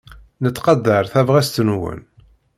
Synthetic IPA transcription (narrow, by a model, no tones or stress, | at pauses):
nət͡sːqɑd̪ːəɾˤθævʁæst̪nwə̰n